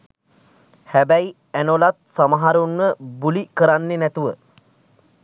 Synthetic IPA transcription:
hæbæji | ænolat̪̚samaɦaɾunːəbulikəɾanːenæt̪uʋə

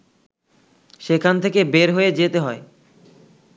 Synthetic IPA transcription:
ʃekʰant̪ʰekebeɾɦoed͡ʑet̪eɦɔe

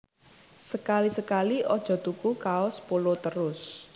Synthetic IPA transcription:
səkalisəkaliɔd̥ʒ̥ɔ̤t̪ukukaɔspolot̪əɾʊs

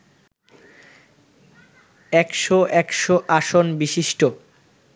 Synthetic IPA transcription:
ɛkʃoʔɛkʃoʔaʃonbiʃiʃʈo

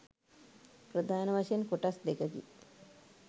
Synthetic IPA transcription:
pɾəd̪ʱaːnɐʋaʃəjenkoʈasd̪ekəkḭ

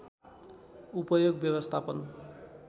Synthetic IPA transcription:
upʌjoɡbjʌbʌst̪ʰapʌn

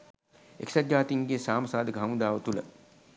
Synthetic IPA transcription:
eksad̪jaːt̪iŋɡesaːməsaːd̪əkəɦamud̪aːʋət̪ulə̰

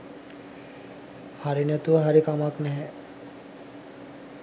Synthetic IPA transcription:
haɾinɛt̪uʋəɦaɾikamaknɛɦɛ

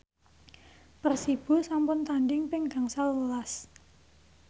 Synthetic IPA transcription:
pərsib̥ʊ̤sampʊnt̪anɖɪŋpɪŋɡ̥a̤ŋsalwəlas

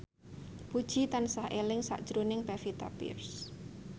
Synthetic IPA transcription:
pud̥ʒ̥i̤t̪ansahelɪŋsa̰ʔd̥ʒ̥ɾunɪŋpafit̪a̰pḭrs

